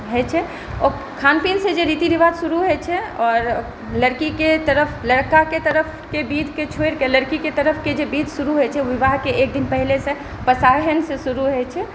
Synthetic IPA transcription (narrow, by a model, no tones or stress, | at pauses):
ɦɛt͡ʃʰɛ | ɔ | kʰanpinsed͡ʒeɾiːt̪iʋiʋad̪ʱsuɾuɦɛt͡ʃʰɛɔːɾ | ləɾkiket̪əɾəpʰləɽkaket̪əɾəpʰkebid̪ʱket͡ʃʰoeɾkeləɾkiket̪əɾəpʰked͡ʒebiːd̪ʱsuɾuɦɛt͡ʃʰɛʋiʋaɦkeek̚d̪inpɛɦlese | pəsaɦənsesuɾuɦɛt͡ʃʰɛ